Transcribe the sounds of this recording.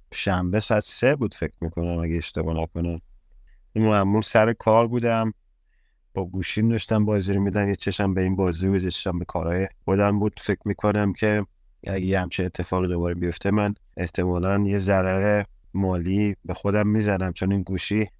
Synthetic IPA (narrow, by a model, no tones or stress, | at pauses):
ʃæmbesæd̪sebuːd̪fe̞kʰɾmikʰo̞næmæɡeːʃt̪ebɔ̰nækʰo̞ne | inmæmulsæɾekʰɒːɾbuːd̪æm | b̥ɒɡuːʃimd̪ɒʃt̪æmbɒːziɾmid̪æmjet͡ʃʰeʃæmbe̞iːnbɒːzibozet͡ʃʃæmbekʰɒːɾɒːjexod̪æmbuːd̪̥fe̞cʰɾmiːkʰo̞næmcʰe̞ | æɡejhæmt͡ʃʰine̞t̪ʰːe̞fɒːɣid̪o̞bɒːɾebijo̞ft̪ʰemæn | e̞ht̪ʰe̞mɒːlænjezæɾæɣe | mɒːlibexo̞d̪æmːiːzænæmt͡ʃʰoninɡuːʃi